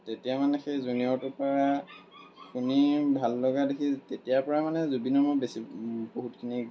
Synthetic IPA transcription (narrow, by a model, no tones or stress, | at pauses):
tetijamanɛxejzuniɔtʊpaɹa | xunibʱalːɔɡadekʰitetijapɔɹamanɛzubinɔmɔbesiboɦutkʰini